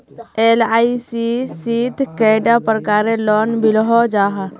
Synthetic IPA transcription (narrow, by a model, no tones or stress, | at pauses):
elaːisisid̪ʱkɛːɖapəɾkaːɾelɔːnbʱɪlɦɔd͡ʒaːɦa